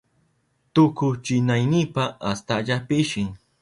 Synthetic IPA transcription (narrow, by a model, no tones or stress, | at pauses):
t̪ʊkʊt͡ʃɪnajnɪpaast̪aʎapɪʃɪŋ